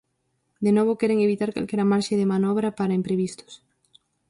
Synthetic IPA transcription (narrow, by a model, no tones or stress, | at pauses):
d̪enoβokeɾeŋeβ̞it̪aɾka̰lkeɾamaɾʃeðemanɔβɾapaɾaempɾeβ̞ist̪o̥s